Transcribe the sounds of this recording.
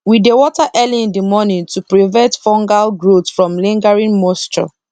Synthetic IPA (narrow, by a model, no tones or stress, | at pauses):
widewɔtaʔɛliĩndimɔnĩntupɹivɛ̃ntfɔ̃ŋɡalɡɹotfɹɔ̃mlĩŋɡaɹĩnmɔstɹɔ̰